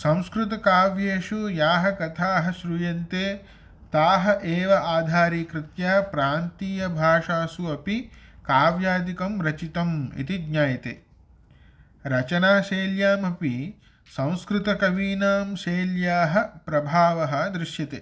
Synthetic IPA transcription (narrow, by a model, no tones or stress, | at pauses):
sɐ̃w̃skɾɪt̪ɐkaːʋjeːʂujaːɦɐ̆kɐt̪ʰaːɦɐ̆ʃɾujɐnt̪eː | t̪aːɦɐ̆ʔeːʋɐʔaːd̪ʱaːɾiːkɾɪt̪jaːpɾaːnt̪iːjɐbʱaːʂaːsuɐpikaːʋjaːd̪ikɐmɾɐt͡ʃit̪ɐmḭt̪iɡɲaːjɐt̪ḛː | ɾɐt͡ʃɐnaːʃeːljaːmɐpi | sɐ̃w̃skɾɪt̪ɐkɐʋiːnaːmʃeːljaːɦɐ̆pɾɐbʱaːʋɐɦɐ̆d̪ɾɪʃjɐt̪ḛː